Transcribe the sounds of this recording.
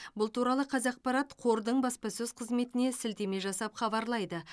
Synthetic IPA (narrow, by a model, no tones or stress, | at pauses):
bʊlˠt̪uɾɑlˠəqʰɑzɑq̚pɑɾɑt̪qʰo̞ɾd̪əɴbɑspɑsɵzqʰəzme̞t̪ɪne̞sɪlt̪e̞me̞ʒɑsɑpχɑbɑɾlˠɑjd̪ə